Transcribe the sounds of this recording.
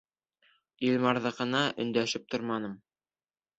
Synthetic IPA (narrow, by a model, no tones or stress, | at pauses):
ilmɑɾðɤ̆qɤ̆nɑʔɵ̆nd̪æʃɘp̚t̪oɾmɑnɤm